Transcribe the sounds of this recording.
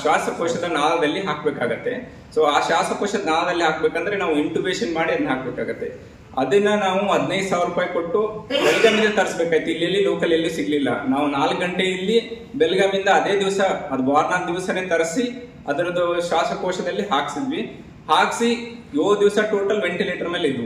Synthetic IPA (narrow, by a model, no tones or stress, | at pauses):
ʃaːsɾɐkɔːʂɐd̪ɐnaːlɐd̪ɐlːiɦaːkbeːkaːɡut̪ːe̞ | soːaːʃaːsɾɐkoːʃɐd̪ɐnaːlɐd̪ɐlːiɦaːk̚beːkɐnd̪ɐɾenaːʋuiɳʈubeːʃɐnmaːɽiɐd̪ɐɦaːk̚beːkaːɡɐt̪ːe̞ | ɐd̪ɐnːɐnaːʋuɦɐd̪nɐjd̪saːʋɐɾuːpaːjiko̞ʈːubɛlɐɡaːmind̪ɐt̪ɐɾsbeːkaːɡit̪uilːijɐlːiloːkɐlɐlːisiɡɐlilːɐ̰naːʋunaːlkɡɐɳʈe̞ilːi | bɛlɡaːmind̪ɐːd̪e̞ːd̪iʋɐsɐɐd̪ubaːɾnaːd̪iʋɐsɐne̞ːt̪ɐɾɐsi | ɐd̪ɐɾɐd̪uʃaːsɐkoːʂɐd̪ɐlːiɦaːksid̪ʋi | haːksijoːd̪iʋɐsɐʈoːʈɐlʋe̞ɳʈileːʈɐɾmeːlid̪u